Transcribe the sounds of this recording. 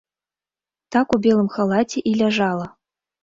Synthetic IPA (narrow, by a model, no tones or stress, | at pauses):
t̪ɑkubʲelˠɤ̆mxalˠɑt̪ʲeʔilʲæʒɑlˠɤ̆